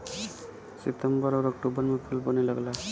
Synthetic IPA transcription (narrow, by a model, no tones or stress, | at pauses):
sɪt̪əmbəɾɔɾɔk̚ʈubəɾmẽpʰulpəneləɡla